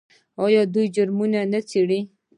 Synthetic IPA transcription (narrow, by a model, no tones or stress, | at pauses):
ɑjɑd̪ujd͡ʒʊɾmunanat͡seɽi